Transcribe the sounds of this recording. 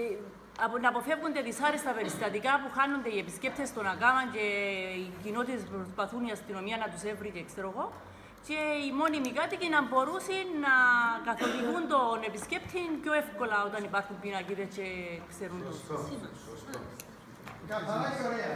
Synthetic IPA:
nɐpo̞fe̞vund̪eðisɐɾest̪ɐpe̞ɾist̪ɐt̪ikɐpuxanːond̪e̞ie̞pisce̞p̚t̪e̞st̪o̞nɐkamɐɲce̞icino̞t̪it̪espɾospɐθuniɐst̪ino̞miɐnɐt̪use̞vɾiceekseɾoɣo̞ | ce̞imo̞nimikat̪icinɐmbo̞ɾusinːɐkɐθo̞piɣund̪o̞ne̞pisce̞pt̪ʰinpjoefko̞lɐo̞t̪ɐnipɐɾxumpinɐciðet͡ʃe̞kse̞ɾuno

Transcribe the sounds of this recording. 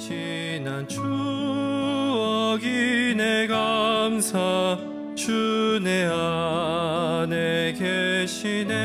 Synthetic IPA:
t͡ɕʰi | nant͡ɕʰu | ʌɡineɡamsʰa | t͡ɕʰunea | nekeɕʰine

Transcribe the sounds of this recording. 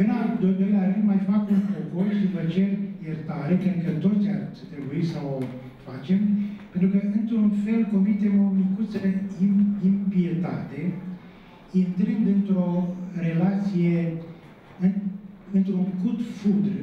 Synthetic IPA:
pɨnad̪ojd̪o̞jlʲaɾɨnd̪majfakunpoko̞rʃivət͡ʃe̞rjert̪aɾe̞kɾed̪̚kət̪o̞t̪sʲa̰rt̪t̪ɾebuisəo | fat͡ʃe̞mpent̪ɾukəɨnt̪ɾunfe̞lko̞mit̪e̞mo̞mikut̪səid̪impiet̪at̪e̞ | int̪ɾɨnd̪ɨnt̪ɾo̞re̞lat̪sije | ɨɨnt̪ɾuŋkut̪fud̪r

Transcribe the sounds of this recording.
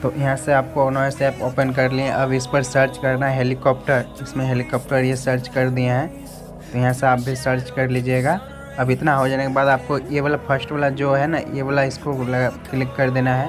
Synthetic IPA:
t̪oːʔjɐɦãseaːp̚konosɛːpoːpənk̬ɐɾliẽʔɐbɪspɐɾsəɾt͡ʃkɐɾnaɦɛɦeːlɪkɔːp̚ʈəɾɪsmẽɦeːlikɔːp̚ʈəɾjesəɾt͡ʃkɐɾd̪ijaɦɛ̃ː | t̪ojɐɦãseaːp̚bʱisəɾt͡ʃkɐɾliːd͡ʒieːɡaː | ɐbɪt̪naɦod͡ʒaːnekebaːd̪aːp̚kojeʋəlapʰəɾsʈʋaːlad͡ʒoːɦɛnajeʋəlaɪskolɐɡaklɪkːɐɾd̪eːnaɦɛː

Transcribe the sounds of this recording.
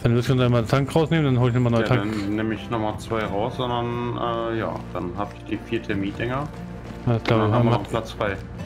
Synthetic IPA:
anvɪɐstːandanɪmaɐntʰaŋkʁaʊsneːməndanɦoːlɪçnɔmaɐnɔjtʰaŋneːməɪçnɔχmat͡sv̥aɪʁaʊsz̥ɔndɐnʔɛːja̰ːd̥anɦaːbɪçd̥iːfiːɐtʰɛɐmiːdɛŋɐ | ḁːlaːbamɔpʰlat͡sv̥aɪ

